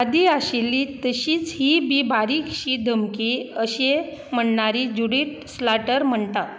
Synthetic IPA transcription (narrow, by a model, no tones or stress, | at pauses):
ad̪iaɕelːit̪əɕiːt͡sɦiːbiːbʱaɾikɕiːd̪ʱəmkiəɕe | m̤əɳɳaɾid͡ʑuɽiʈ | slaʈəɾm̤əɳt̪at̪